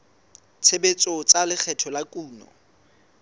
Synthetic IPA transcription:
t͡sʰebet͡sʼot͡sʼalɪk͡xʰɛtʰɔlakʼuːnɔ̰

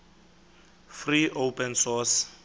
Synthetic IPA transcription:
friʔowpʼɛnsɔs

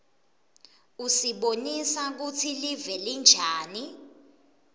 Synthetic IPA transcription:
usiɓonisak̬ut͡sʰilivɛlind͡ʒʱaːni

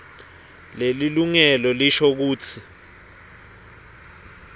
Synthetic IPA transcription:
leliluŋɛlɔliʃok̬uːt͡sʰi

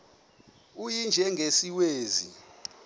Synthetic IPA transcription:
ujind͡ʒʱɛŋʱesiweːzḭ

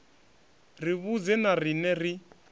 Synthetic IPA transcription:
riβud͡zɛnarinɛri

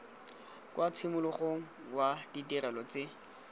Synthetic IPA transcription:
kwat͡sʰimʊlɔχoŋ̩waditirɛlɔt͡sɪ

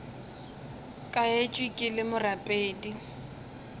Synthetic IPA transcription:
kʼaet͡ʃʼwikʼɪlɪmʊrapʼeːdi

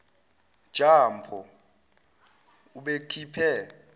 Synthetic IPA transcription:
d̥ʒ̥ʱampʰɔ | uɓekʰipʰɛ

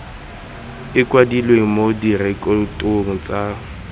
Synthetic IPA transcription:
ɪkʼwadilweŋ̩modirɪkʼɔtʼoŋ̩t͡sʼa

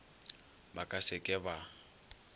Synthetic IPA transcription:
bakʼasɪkʼɛba

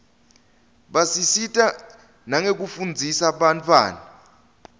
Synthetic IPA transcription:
ɓasisitʼa | naŋek̬ufund͡zʱisaɓantʰʼwa̰ːna

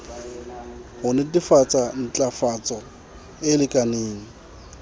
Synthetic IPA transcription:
ɦʊnɛdifat͡sʼan̩t͡ɬʼafat͡sʼɔ | ɪlɪkʼaneːŋ̩

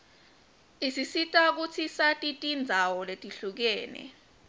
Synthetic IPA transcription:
isisitʼak̬ut͡sʰisatʼitʼind͡zʱawɔletʼiɬuk̬ɛːnɛ̰

